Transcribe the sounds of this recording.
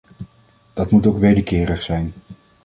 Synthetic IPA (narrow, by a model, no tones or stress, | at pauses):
d̥ɑtmutowkʋejdəkɪːrəχsɛjn